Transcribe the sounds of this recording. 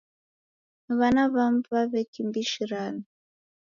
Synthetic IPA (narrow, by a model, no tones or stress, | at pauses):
βanaβamvaβɛkimbiʃiɾani